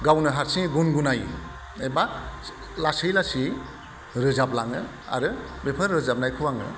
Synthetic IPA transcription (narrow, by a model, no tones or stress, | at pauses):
ɡawnɯɦaɾsiŋɡunɡunaj | eba | lasɯjlasi | ɾɯzap̚laŋɯ | a̰ɾɯbepʰɯɾːɯzap̚najkʰuwaŋɯ̰